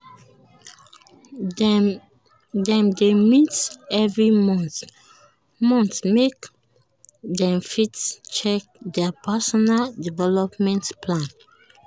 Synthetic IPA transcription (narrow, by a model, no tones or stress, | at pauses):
dɛ̃mdemitɛvɹimɔ̃nθ | mɔ̃nθmek | dɛ̃mfitt͡ʃɛk̚dɛpʰɛsɔnaldivɛlɔpmɛ̃ntpʰlãn